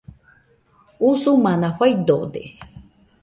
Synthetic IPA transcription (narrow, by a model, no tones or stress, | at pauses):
usumanaɸʷajd̪od̪e